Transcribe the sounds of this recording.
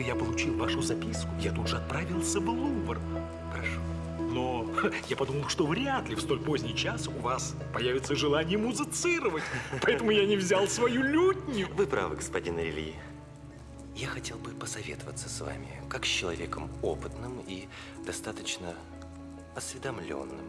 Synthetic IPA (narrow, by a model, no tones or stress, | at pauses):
japəlˠʊt͡ɕilˠvaʂʊzɐpʲiskʊjat̪ud̪ʐɨɐt̪̚pɾavʲilˠsʲəblˠuvər | xəɾɐʂo | nojapɐd̪uməlˠʂt̪o̞vɾʲat̪lʲɪfst̪o̞lʲpo̞zʲnʲɪjt͡ɕasʊvas | pɐjavʲɪt̪səʐɨlˠanʲɪjəmʊzɨt̪sɨɾəvətʲpɐɛt̪əmʊjanʲɪvzʲalˠsvɐjulʲutʲnʲjʊvɨpɾa̰vɨɡəspɐdʲinɾʲɪlʲḭɪ | jaxɐtʲe̞lˠbɨpəsɐvʲet̪əvət̪səsva̰mʲɪ̰kaksʲt͡ɕːɪlˠɐ̰vʲekəmo̰pɨt̪nɨmi | d̪ɐst̪at̪ət͡ɕnə | ɐsvʲɪd̪ɐmlʲo̰nːɨ̰m